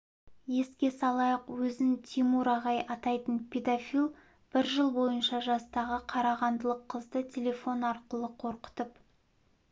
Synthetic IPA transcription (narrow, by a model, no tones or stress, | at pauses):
je̞skʲe̞sɑlˠɑjɑqwɵzɪnt̪ʰimuɾɑʁɑjʔɑt̪ɑjt̪ənpʰʲe̞d̪afilˠ | b̥ɪɾʒəlˠbo̞jənʃɑʒɑst̪ɑʁəqʰɑɾɑʁɑnd̪əlˠəqʰːəzd̪ət̪ʲʰele̞fo̞nɑɾqəlˠəqʰo̞ɾqə̥t̪əp